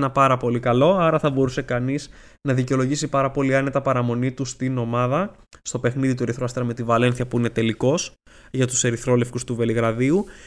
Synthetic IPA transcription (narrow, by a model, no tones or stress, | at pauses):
nɐpɐɾɐpo̞likɐlo̞ɐɾɐθɐbo̞ɾuse̞kɐniz | nɐðiceo̞lo̞ʝisipɐɾɐpo̞liɐnet̪ɐpɐɾɐmo̞nit̪ust̪ino̞mɐðɐ | st̪o̞pe̞xniðit̪ue̞ɾiθɾoɐst̪ɾɐme̞t̪ivɐle̞nθiçɐpuine̞t̪e̞liko̞s | ʝɐt̪use̞ɾiθɾo̞le̞fkust̪uve̞liɣɾɐðiu